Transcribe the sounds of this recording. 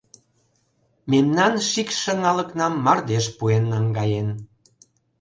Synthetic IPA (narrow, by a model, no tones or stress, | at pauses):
memnɑnʃikʃə̆ŋɑlə̆knɑmːɑrd̪eʃpuenːɑŋɡɑjen